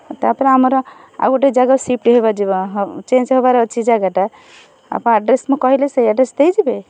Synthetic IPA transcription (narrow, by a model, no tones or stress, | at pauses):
t̪apnaməɾ | a̰ɡoʈed͡ʒaɡasip̚ʈɦebad͡ʒebɦt͡ʃẽnt͡ʃɦobaɾet͡ʃʰid͡ʒaɡaʈa | a̰pnaɖɾesmekɔɦileseaɖɾesd̪ed͡ʒebe